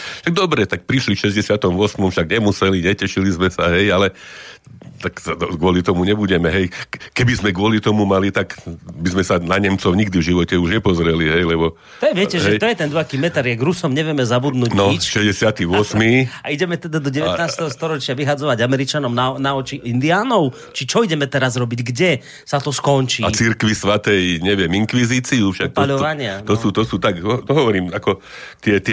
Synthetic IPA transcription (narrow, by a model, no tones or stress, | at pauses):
ʃaɡ̚d̪ɔbɾɛt̪ak̚pɾiʃlifʃɛzɟɛsɪat̪ɔmʋʊɔsmɔmfʃaɡɲɛmusɛliɲɛcɛʃilizmɛsaɦɛjalɛ | t̪ak̪ɔɡʊɔlit̪ɔmuɲɛbuɟɛmɛɦɛjkɛbizmɛɡʊɔlit̪ɔmumalit̪akbizmɛsanaɲɛmt͡sɔʊɲiɡd̪ivʒiʋɔcɛuʒɲɛpɔzɾɛliɦɛjlɛbɔ | ɛʋɪɛcɛʒɦɛjt̪ɔjɛt̪ɛnd̪ɔɦakiːmɛt̪aɾjaɡɾusɔmɲɛʋɪjɛmɛzabud̪nuːɟnɔit͡ʃʃɛzɟɛsɪat̪iːʋɔsmiːaiɟɛmɛt̪ɛd̪ad̪ɔɟɛʋɛt̪naːst̪ɛɦɔst̪ɔɾɔt͡ʃɪaʋiɦad͡zɔʋaɟamɛɾit͡ʃanɔmnanaɔt͡ʃiind̪iaːnɔʊ | t͡ʃit͡ʃɔiɟɛmɛt̪ɛɾazɾɔbiɟɡɟɛ | sat̪ɔskɔnt͡ʃiat͡siɾkʋisʋat̪ɛjɲɛʋɪɛmiŋkʋiziːt͡siufʃak̚t̪pɔaʎɔʋaɲɪaɔsuːt̪ɔsuːt̪akɔt̪ɔɦɔʋɔɾiːmakɔ | t̪ɪɛt̪